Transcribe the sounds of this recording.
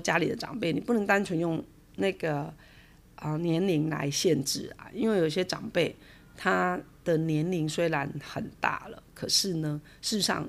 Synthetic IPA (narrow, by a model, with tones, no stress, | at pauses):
t͡ɕja˥li˨˩d̪ə˦ʈ͡ʂɑ̰˨˩ŋpe˥˩ɪni˨˩pu˥˩nə˧˥ŋt̪a˥nt͡ɕʰɥɛ˧˥njʊ˥˧ŋ | na˥˩ɡə˩ | ə˧˩njɛ˧˦˥nli˧˥ŋla̰˧˥ɪɕjɛ˥˧nʈ͡ʂɻ̩˥˩a̰˨˩i˥nwe˥˩jo˨˩i˩ɕjɛ˥ʈ͡ʂɑ˨˩ŋpe˥˩ɪ | t̪ʰa˥d̪̥ə˨njɛ˧˥nli˧˥ŋswe˥ɪɻa˧˦˥nxə˨˩nt̪a̰˥˩lə̰˩kʰɤ˨˩ʂɻ̩˥˩nə˦ | ʂɻ̩˥˧˦ʂɑ̰˥˩ŋ